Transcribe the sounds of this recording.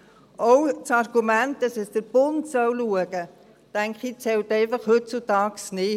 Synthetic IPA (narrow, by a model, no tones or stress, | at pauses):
ʔɔwt͡sɑrɡ̥umæntd̥ɑsɛsd̥əɾb̥ʊntsœwluəɡ̥ə | tæŋkχit͡sɛwtɛɪfɑχhɵtt͡sutɑːksnɪ